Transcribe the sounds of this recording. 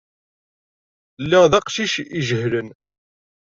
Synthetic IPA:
lːiʁðæqʃiʃiʒəhlən

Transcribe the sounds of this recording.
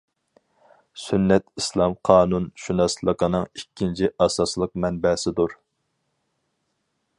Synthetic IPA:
synːɛt̪islˠɑmqʰɑːnunʃunɑslˠəqʰənɨŋikʲːint͡ʃʰiʔɑsɑslˠəq̚mɛnbɛsɪd̪uɾ

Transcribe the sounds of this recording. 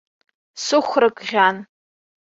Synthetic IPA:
sɨχʷrɨkʼʁʲan

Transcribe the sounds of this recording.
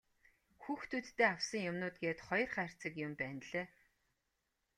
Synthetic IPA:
xuːxt̪ʰut̪ːeːawsə̆ŋjʊmnʊːt̪̚ɡeːt̪χɔj̆rχæːr̥t͡sə̆kjʊmpæːnɮeː

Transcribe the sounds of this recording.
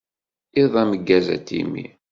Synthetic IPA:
iðˤæməɡːæzæ̰t̪ːḭmḭ

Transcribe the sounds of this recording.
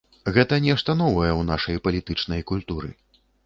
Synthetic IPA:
ɣɛt̪ɐnʲɛʂt̪ɐn̪ɔvɐjɛwn̪aʂɐjpɐlʲit̪ɨt͡ʂnɐjkulʲt̪uɾɨ̰

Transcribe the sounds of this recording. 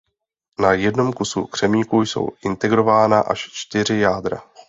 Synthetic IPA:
najɛdno̞mkusṵkr̝̥ɛmiːkujso̞̰wʔɪnt̪ɛɡɾo̞vaːnaʔaʃt͡ʃt̪ɪr̝ɪjaːd̪ɾa̰

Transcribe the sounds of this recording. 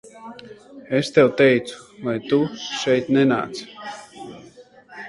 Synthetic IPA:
ɛst̪ɛwt̪ɛjt̪su̥vajt̪uʃɛjt̪nɛna̰ːt̪s

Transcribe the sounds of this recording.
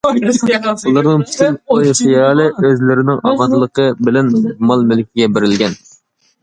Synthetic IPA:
ulˠɑɾnɨŋpʰy̥t̪ʰynojsɨjɑlˠɨøzlɪɾɪnɪŋɑmɑnt̪ʰɨlˠəqʰəbɪlɛnmɑlˠmylɪkʲiɡʲɛbeɾɪlɡʲɛn

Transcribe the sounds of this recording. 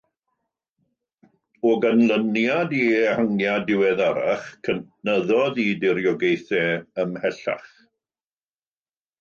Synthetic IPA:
ɔɡanlˠənjadihəŋjadɪwɛðaɾa̰χkʰənnəðɔðidɪɾjɔɡejθɛəmhɛɬa̰χ

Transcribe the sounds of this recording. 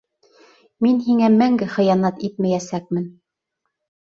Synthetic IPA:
minɦiŋæmæŋɡɘχɤ̆jɑnɑt̪it̪̚mæjæsæk̚mɘn

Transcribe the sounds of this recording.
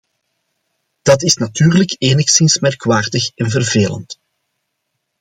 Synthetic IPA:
d̥ɑtɪsnatyːrləkeːnəxsɪnsmɛrkʋaːrdəxɛnvərveːlə̰nt

